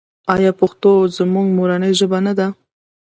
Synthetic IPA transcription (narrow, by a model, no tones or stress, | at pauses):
ɑjɑpʊxt̪ozəmʊŋɡmoɾanəjʒəbanad̪a